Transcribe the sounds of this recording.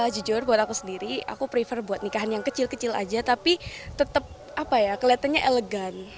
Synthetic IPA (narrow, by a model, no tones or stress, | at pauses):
d͡ʒud͡ʒʊrbuat̪akusəndiɾia̰kupɾifərbuat̪̚nikaɦanjaŋkət͡ʃɪlkət͡ʃɪla̰d͡ʒat̪apit̪ət̪əp̚ | apajakəliat̪anɲaʔeləɡan